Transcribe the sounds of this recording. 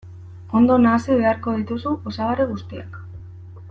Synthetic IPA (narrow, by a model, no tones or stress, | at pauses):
o̞nd̪o̞naːsiβe̞aɾko̞ðit̪usuʔosaβaɾeɣust̪iak